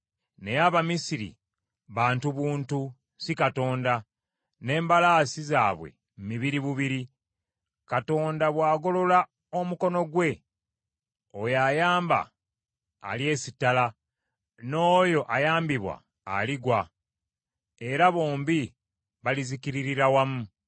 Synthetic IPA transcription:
ne̞jaβamisiɾḭ | βaːntuβuːntu | sikato̞ːnda | ne̞ːmbalaːsizaːβwe̞̰ | mmiβiɾiβuβiɾi | kato̞ːndaβwaːɡo̞lo̞la | omuko̞no̞ɡwe̞ | ojajaːmba̰ː | lje̞ːsitːala | no̞ːjo̞ʔajaːmbiβwa̰ː | liɡwa | e̞ɾaβo̞ːmbi | βalizikiɾiɾiɾawamu

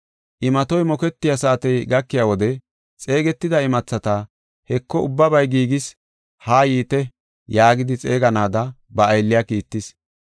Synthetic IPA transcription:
ʔɪmɐt̪ɔjmɔkɛt̪ːɪjasaːt̪ɛjɡɐkːɪjaːwɔd̪ɛ | t͡sʼe̞ːɡɛt̪ːɪd̪ɐɪmɐt͡sːɐt̪ɐ | hɛkːɔʊbːɐbɐjɡiːɡɪs | haːjiːt̪ɛ | jaːɡɪd̪ɪt͡sʼeːɡɐnaːd̪ɐ | bɐːjlːɪjakiːt̪ːɪs

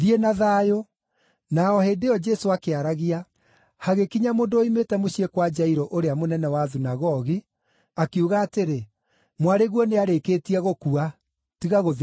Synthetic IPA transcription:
ðienaðaːjo | naɔheːdeɔd͡ʒɛsoakeaɾaɣia | haɣekiɲamoːndooimetɛmoɕiekwad͡ʒaiɾɔʔoɾeamonɛnɛwaðunaɣɔɣi | akeuɣaːteɾe | mwaɾeɣwɔneaɾekeːtiɛɣokua | tiɣaɣoð

